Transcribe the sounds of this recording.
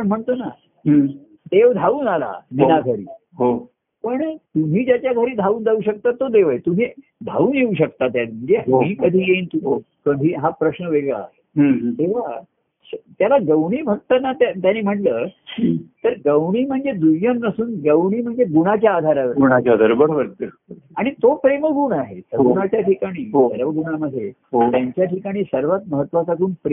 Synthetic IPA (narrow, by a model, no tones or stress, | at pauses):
pəɳm̤əɳt̪ona̰ | d̪̥eʋd̪ʱaʋuːnala̰ninaɡ̪ʱəɾḭː | ɦo | pəɳt̪um̤iːd͡ʑjat͡ɕjad̪ʱəɾiːd̪ʱaʋuːnd͡z̪ʱauːɕək̚t̪at̪ːod̪eʋəjt̪um̤iː | d̪ʱaʋuːnjeuɕ̬ək̚t̪at̪jat̪m̤əɳd͡zeəmiːkəd̪ʱiːjeiːnt̪uo | kəd̪ʱiːɦapɾəɕnəʋeɡɭa̰ːɦet̪eʋa | ɕt̪jalaɡəwɳiːbʱək̚t̪ənːat̪at̪janːiːm̤əʈləː | t̪əɾɡəwɳ̃iːm̤əɳd͡zed̪ujjənːəsuːnɡəwɳiːm̤əɳd͡zeɡuɽat͡ɕjaːd̪ʱaɾaʋəɾɡuɽat͡ɕad̪ʱəɾbəɽʋəɾt̪əaɽ̃it̪opɾeməɡuːɳaɦesəɡuɳat͡ɕjaʈʰikaɽ̃iːɦsoəɾʋəɡuɽ̃aməd̪ʱːe | ojaɲt͡ɕjaʈʰikaɽ̃iːsəɾʋat̪̚məɦət̪ːʋat͡saɡuːnpɾ